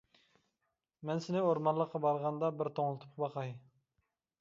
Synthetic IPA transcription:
mɛnsɪnɪoɾmɑnlːˠəqʰːɑbɑɾʁɑnd̪ɑbɪɾt̪ʰoŋlˠɨt̪ʰu̥p̚qʰbɑqʰɑj

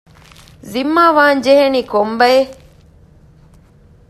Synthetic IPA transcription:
zimːaːʋaːɲd͡ʒeɦeniːkombɐje

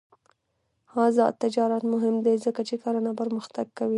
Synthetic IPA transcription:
hɑzɑ̰t̪ːɪd͡ʒɑɾat̪mʊɦɪmd̪ezəkat͡ʃekaɾanapəɾməxt̪aɡ̚kawi

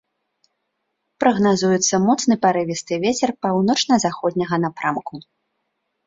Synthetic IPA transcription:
pɾɐɣnazujɛt̪sːɐmɔt̪snɨpaɾɨvʲist̪ɨvʲet͡sʲɛrpawn̪ɔt͡ʂnɐzaxɔd̪ʲnʲɐɣɐnapɾamku

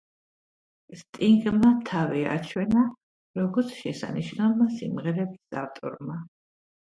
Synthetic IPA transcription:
st̪ʼiŋɡmat̪ʰavia̰t͡ʃʰwɛna | ɾɔɡɔɾt̪sʰʃɛsa̰niʃnalˠmasḭmʁɛɾɛbisa̰ft̪ʼɔ̰ɾma

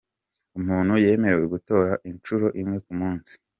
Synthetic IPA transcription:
umuːnhuje̞ːme̞ɾeweɡuto̞ːɾaʔint͡ʃuɾo̞ʔimŋe̞kumuːnsi̥

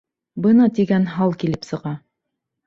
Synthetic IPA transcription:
bɤnɑt̪iɡænɦɑlˠkilɘpsɤ̆ʁɑ

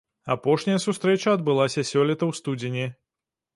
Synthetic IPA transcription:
apɔʂnʲɐjɐsust̪ɾɛt͡ʂɐːd̪̚bɨlˠasʲɐsʲɔlʲɛt̪ɐwst̪ud͡zʲinʲi

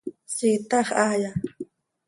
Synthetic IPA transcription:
sit̪ɑχaja

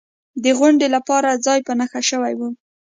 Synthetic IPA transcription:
d̪əɣʊɳɖelapɑɾad͡zɑjpənəxaʃəwajwu

